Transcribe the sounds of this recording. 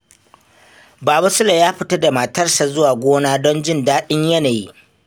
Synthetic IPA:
baː˨ba˦sʊ˦la˨jaː˦ɸɪ˦tɐ˦da˨ma˨tɐ˦rsa˨zʊ˦waː˨ɡʷoː˦naː˦dɔ˦nd͡ʒɪ˦ndaː˦ɗɪ˦ɲjɐ˦naː˨ji˦ʔ

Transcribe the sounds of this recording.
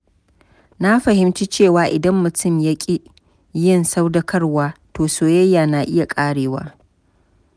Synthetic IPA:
na˦ɸɐ˨hɪ˦mt͡ʃi˦t͡ʃeː˦˨waː˨ʔɪ˨dɐ˦mːʊ˨tʰʊ˦˨mja˦kʲʼi˦ | jɪ˦nsa˦wdɐ˦kʰɐ˦rwaː˦toː˨soː˦jɐ˦jːaː˨naː˨ʔɪ˦ja˨kʼaː˦ɽeː˨wa̰ː˦

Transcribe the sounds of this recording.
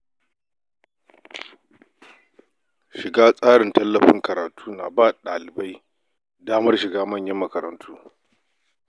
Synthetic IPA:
ʃɪ˨ɡaː˦sʼaː˦ɽɪ˨ntɐ˦lːɐ˨ɸɪ̰˦ŋkɐ˨ɾaː˨tʰuː˦na̰˨baː˦˨ɗaː˨lɪ˨ba˦j | daː˦mɐ˦rʃɪ˨ɡaː˦mɐ˦˨ɲjɐ˦mːɐ˦kɐ˨ɾɐ̰˨ntʰuː˦

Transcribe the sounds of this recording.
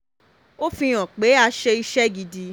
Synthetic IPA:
o˦fĩ˧j̃ɔ̃˨k͡pe˨˦a˧ʃe˧i˦ʃɛ˦ɡi˧di˧

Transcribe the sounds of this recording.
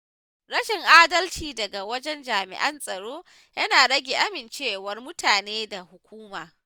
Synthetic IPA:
ɽɐ˦ʃɪ˨ŋʔaː˦dɐ˦lt͡ʃiː˨dɐ˨ɡa˨wɐ˦d͡ʒɛ˦nd͡ʒaː˨mɪ̰˨ʔɐ˦nsʼɐ˨ɽoː˦ | jɐ˦naː˨ɽɐ˦ɡʲe˨ʔa˦mɪ˨nt͡ʃeː˦˨wɐ˦rmʊ˦tʰaː˨neː˦da˨hʊ˨kʷuː˦maː˨

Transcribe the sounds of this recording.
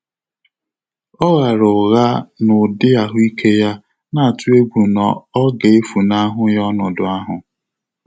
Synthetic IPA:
ɔ˦ɣa˨ɾʊ˨ɣa˦nʊ˨dɪ˦a˦ɦʊ˦i˦kʰe˦ja˦ | na˨tu˦e˦ɡʷu˨nɔ̰˨ɔ˦ɡe˨e˦fu˨na˦ɦʊ˦jɔ˦nʊ˨dʊ˨a˦ɦʊ˨

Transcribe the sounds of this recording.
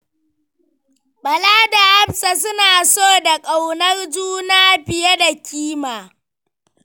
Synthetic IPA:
ɓɐ˨laː˦da˨ʔa˦bsa˨s̬ʊ˦naː˨soː˦˨da˨kʼa˨wnɐ˦rd͡ʒuː˦naː˦ɸɪ˨ja˦da˨kʲiː˦maː˨

